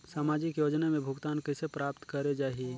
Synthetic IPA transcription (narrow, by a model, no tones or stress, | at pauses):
saːmaːd͡ʒɪkjoːd͡ʒnamẽbʱʊɡt̪aːnkɛsepɾaːp̚t̪kɐɾed͡ʒaːɦie